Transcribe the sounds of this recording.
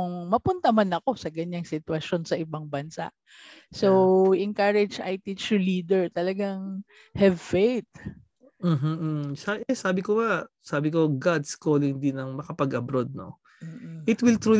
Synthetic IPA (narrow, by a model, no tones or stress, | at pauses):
ŋmɐpʊnt̪ɐmanɐko̞sɐɡɐɲːaŋsɪt̪wɐʃo̞nsɐʔɪbaŋbɐnsa̰ʔ | sowɛŋkaɹɛd͡ʒɐjt̪iːt͡ʃɛɹliːd̪ɛɹt̪ɐlɐɡaŋ | hɛvfejt̪̚ | m̩ːɦ̩saʔɛsaːbɪkobɐsaːbɪko̞ɡad̪skoːlɪŋd̪ɪnɐŋmɐkɐpɐɡɐbɾod̪̚no̰ | ʔɪt̪wɪlt̪ɹu